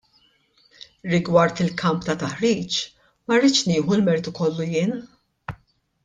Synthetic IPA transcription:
ɾɪɡwɐɾt̪ɪlkʰɐmpt̪ɐt̪ɐħɾiːt͡ʃ | mɐrːɪt͡ʃnɪːħulmɛɾɪt̪ukɔlːujɪːn

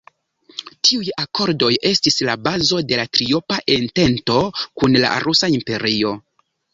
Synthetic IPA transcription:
tʰiujako̞ɾdo̞je̞stislabazo̞de̞latɾio̞paʔente̞nto̞kunla̰ɾusaimpe̞ɾio̞

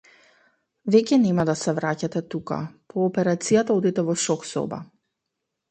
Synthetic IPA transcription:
vɛcɛnɛmad̪asɛvɾacat̪ɛt̪uka̰pɔːpɛɾat̪sijat̪aod̪it̪ɛvɔʃɔksɔ̰ba̰

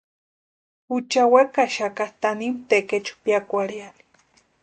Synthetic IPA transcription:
ut͡ʃawekaʃakat̪animt̪eket͡ʃu̥piakʷaɽiali̥

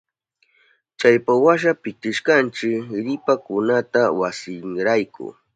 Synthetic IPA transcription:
t͡ʃajpawaʃ̬apɪkɪʃkant͡ʃɪkɾɪpakʊnat̪awasɪŋɾajkʊ̰

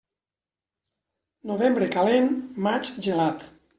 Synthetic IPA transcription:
noβembɾekalenmat͡ʃʒelat̪

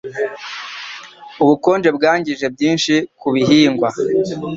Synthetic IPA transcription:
uβuko̞ːnd͡ʒe̞bɡaːɲɟiʒe̞bɟiːnʃikuβiɦiːŋɡwa

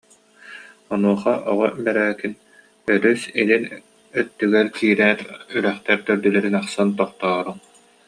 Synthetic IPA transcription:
ɔnuɔχaʔɔʁɔbɛɾɛːkin | œɾysilin | œt̪ːyɡɛɾkiːɾɛːɾyɾɛχt̪ɛɾt̪œɾd̪ylɛɾinaχsant̪ɔχt̪ɔːɾuŋ

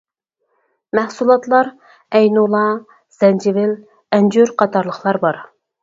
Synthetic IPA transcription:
mæhsulˠɑt̪lˠɑɾ | ɛjnulˠɑ | z̥ɛnd͡ʒɪvɪl | ɛnd͡ʒyɾqʰɑt̪ʰɑɾlˠəχlˠɑɾbɑɾ

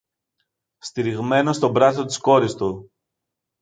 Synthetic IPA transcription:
st̪iɾiɣme̞no̞st̪o̞bɾɐt̪ot̪i̥sko̞ɾist̪u

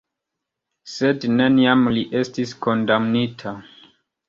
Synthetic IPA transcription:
se̞dne̞niamliʔe̞stisko̞ndamnitʰa

